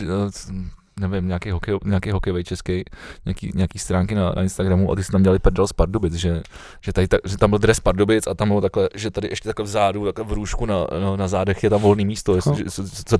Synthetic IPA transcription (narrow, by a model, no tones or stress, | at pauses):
nɛvɪmɲaːkejɦokɛjoɲaːkejɦokɛjovɛjt͡ʃɛskɛjɲaakḭːɲɛakiːst̪ɾaːŋkɪnanʔa̰ɪnst̪aɡɾamuʔa̰t̪ɪsɛ̥t̪amɲɛlɪpɛɾdalspaɾdobɪt͡sʒɛ | ʒ̥ɛt̪adɪt̪aʒɛt̪ambɪld̪ɾɛspaɾdobɪt͡sat̪ambɪlot̪aklɛʒɛt̪adɪʔɛʃcɛt̪aklɛvzaːdut̪aklɛvɾuːʃkuna̰nanazaːdɛxjɛt̪amvo̞lniːmiːst̪oɛsʒɛt͡so